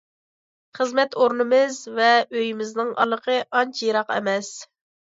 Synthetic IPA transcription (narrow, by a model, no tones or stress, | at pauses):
χəzmɛt̪oɾnɨmɪzvɛøjimɪznɪŋʔɑ̰lˠːəqʰəʔɑnt͡ʃʰjiɾɑqɛ̰mɛs